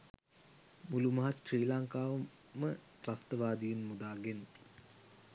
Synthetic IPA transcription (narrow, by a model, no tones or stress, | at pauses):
mulumɐɦat̪ʃriːlaŋkaːʋɐ | mə | rast̪əʋaːd̪ijenmud̪aːɡen